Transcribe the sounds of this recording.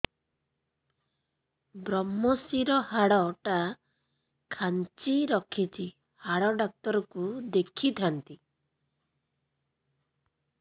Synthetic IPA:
bɾɔmːɔsiɾɔhaɽɔʈa | kʰant͡ʃiɾɔkʰit͡ʃʰi | haɽɔɖɔk̚t̪ɔɾɔkud̪ekʰit̪ʰant̪i

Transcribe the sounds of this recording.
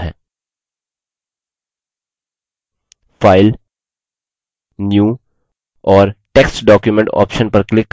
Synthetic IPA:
ɦɛ̰ː | faːɪl | njuː | ɔːɾʈeːksʈɖɔːkjumẽɳʈɔ̰ːpʃənpɐɾklɪkː

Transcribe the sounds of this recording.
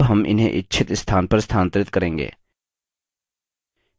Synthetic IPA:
bɦɐmʔɪ̰nɦḛ̃ʔɪtːʃʰɪt̪st̪ʰaːnpɐɾst̪ʰaːnt̪ɾɪt̪kɐɾẽːŋɡḛː

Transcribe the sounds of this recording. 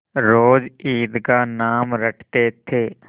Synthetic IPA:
ɾoːd͡ʒiːd̪kanaːmɾəʈʰt̪et̪ʰeː

